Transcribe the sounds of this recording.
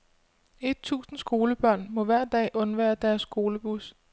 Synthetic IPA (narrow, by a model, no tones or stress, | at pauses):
e̝d̥̚t͡sʰṵːsn̩sɡ̥o̝ːləb̥ɶɐ̰nmɒ̽ʋæɐ̰d̥ɛ̰ːʔɔ̽nʋæːɐd̥æɐsːɡ̥o̝ːləb̥us